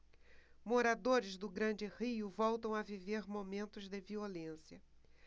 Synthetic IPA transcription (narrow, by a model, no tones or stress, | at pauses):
moɾad̪oɾɪzd̪ʊɡɾɐ̃d͡ʒɪhiʊvɔwt̪ɐ̃w̃aviveɾmomẽnt̪ʊzd̪ɪviolẽsjɐ